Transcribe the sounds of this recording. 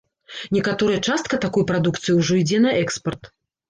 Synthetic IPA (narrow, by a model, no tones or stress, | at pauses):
nʲɛkat̪ɔɾɐjɐt͡ʂast̪̚kɐt̪akɔjpɾad̪ukt̪sɨjiwʐɔid͡zʲɛnɐʔɛkspɐrt̪